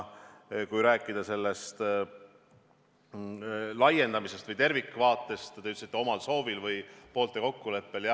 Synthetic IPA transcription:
kujɾæːkːˑid̪̥ɑse̞lːest̪ | lɑje̞nd̪̥ɑmise̞st̪vɯjt̪e̞rvikːvɑːt̪ːˑe̞st̪t̪ːeyt̪ːsit̪ːˑeo̞mɑlso̞ːvilvɯjpo̞ːlt̪ːˑe̞ko̞kːule̞pːe̞ljɑ

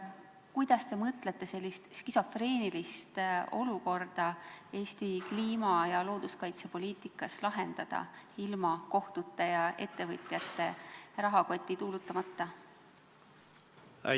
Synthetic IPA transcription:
kujd̪̥ɑst̪e̞mɤt̪ˑle̞t̪ːˑe̞se̞lʲːist̪skiso̞freːnilist̪o̞̰luko̞rd̪̥ɑe̞ːst̪ikliːmɑjɑlo̞ːd̪̥uskɑjt̪sepo̞lʲiːt̪ˑikːˑɑslɑɦend̪̥ɑd̪̥ɑ̰ilmɑko̞ht̪ut̪ːˑe̞jɑe̞̰t̪ˑːe̞vɤt̪ʲˑjɑt̪ːe̞rɑɦɑko̞t̪ʲˑːit̪uːlut̪ˑːɑmɑt̪ˑːɑ

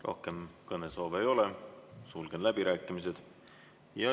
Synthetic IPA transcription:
ro̞̰hke̞mkɤne̞so̞ːvejo̞lesulɡ̥enlæb̥iɾæːkːˑimis̬e̞d̪̥ | jɑ

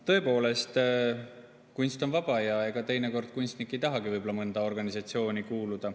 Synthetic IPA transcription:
t̪ɤ̞epo̞ːle̞st̪ | kunst̪onvɑb̥ɑjɑeɡ̥ɑt̪e̞jne̞ko̞rd̪̥̚kunst̪nikˑːe̞jt̪ɑɦɑɡ̥ivɯjbo̞lɑmɤnd̪̥ɑo̞rɡ̥ɑnisɑt̪sio̞ːnʲikuːlud̪̥ɑ

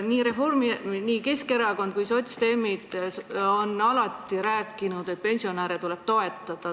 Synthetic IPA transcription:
niːɾe̞forminiːke̞ske̞ɾɑko̞nd̪̥̚kujsot̪st̪e̞ːmid̪̥o̞nɑlɑt̪ːˑiɾæːkːˑinud̪̥e̞t̪̚pe̞nʲsio̞næːɾet̪ule̞b̥̚t̪o̞e̞t̪ːˑɑd̪̥ɑ

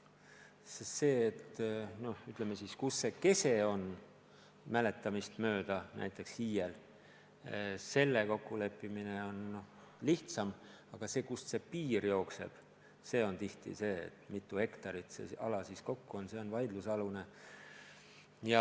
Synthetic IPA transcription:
sese̞ːt̪no̞hyt̪ˑlemːesiskusːe̞ke̞se̞o̞n | mæle̞t̪ːˑɑmist̪mø̞ːd̪̥ɑnæ̰jt̪ːˑe̞kshiːjel | se̞lːeko̞kːule̞pːˑimine̞o̞nːo | liht̪sɑm | ɑɡ̥ɑse̞ːkusse̞piːrjo̞ːkse̞̰b̥ | se̞ːo̞nt̪iht̪ḭse̞ːḛt̪ːˑmit̪ːˑuhe̞kt̪ɑɾit̪sḛɑ̰lɑsisko̞kːuo̞nse̞o̞nvɑjd̪lusɑlune | jɑ

